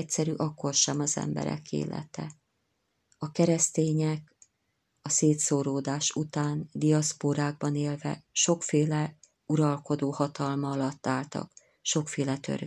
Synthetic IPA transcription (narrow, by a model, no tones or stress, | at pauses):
csɛɾyːʔɒkːo̞rʃɛmɒzɛ̰mbɛ̰ɾɛ̰kḛːlɛ̰t̪ɛ | ɒkɛɾɛst̪eːɲɛk | ɒseːt̪soːɾoːd̪aːʃut̪aːnd̪ijɒspoɾaːɡ̚bɒneːlvɛ̰ʃo̞kfeːlɛ | uɾɒlko̞d̪oːhɒt̪ɒlmɒɒlɒt̪ːaːlt̪ɒ̰k | ʃo̞kfeːlɛt̪ø̰r